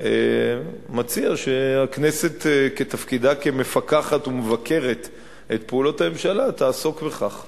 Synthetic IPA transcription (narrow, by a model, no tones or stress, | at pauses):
ḛ | mat͡siaʃeaknese̞t̪ke̞tafkid̪akeme̞fakaχatumevakʰe̞ʁe̞t̪ | et̪peulo̞thame̞mʃalat̪aːso̞kbeχaχ